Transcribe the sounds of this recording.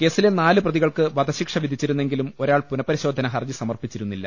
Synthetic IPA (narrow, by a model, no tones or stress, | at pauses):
ke̞ːsilenaːlɨprɐðiɣɐɭkɨʋɐd̪ʱɐɕikʂɐʋid̪ʱit͡ɕːiɾunːeŋɡilumo̞ɾaːɭpunɐpɐɾiɕo̞ːd̪ʱːɐnɐɦɐrd͡ʑisɐmɐrpit͡ɕːiɾunːilːɐ̰